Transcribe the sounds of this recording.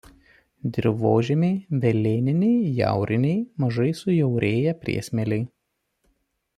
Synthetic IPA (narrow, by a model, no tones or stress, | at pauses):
d̪ʲɾʲʋoːʒʲɛmʲɛɪʋʲɛlʲeːnʲɪnʲɛɪjæ̰ˑʊɾʲɪnʲɛɪmɐʒɐɪsʊjɛʊɾʲeːjɛpʲɾʲḭɛsʲmʲɛlʲɛɪ